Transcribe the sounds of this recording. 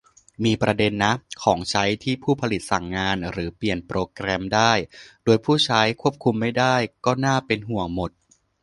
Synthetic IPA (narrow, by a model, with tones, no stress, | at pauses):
miː˧pɾa˧de˧nːa˦˥kʰɔː˩˦ŋt͡ɕʰa˦˥jt̪ʰiː˥˩pʰuː˥˩pʰa˧li˨˩t̪̚sa˨˩ŋːaː˧nɾɯː˩˦pli˨˩ənpɾoː˧kɾɛ˧mdaː˥˩jdoː˧jpʰuː˥˩t͡ɕʰa˦˥jkʰu˥˩əp̚kʰu˧mːa˥˩jdaː˥˩jkɔː˥˩naː˥˩pe˧nɦu˨˩əŋmo˨˩t̪̚